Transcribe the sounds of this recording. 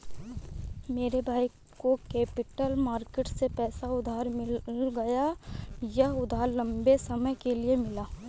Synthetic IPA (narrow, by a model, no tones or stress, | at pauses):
meːɾebʱaːi | kokeːpɪʈəlmaːɾkeʈsepɛːsaʊd̪ʱaːɾmɪlɡɐjajɐɦʊd̪ʱaːɾlɐ̃mbesɐməjkeliemɪlaː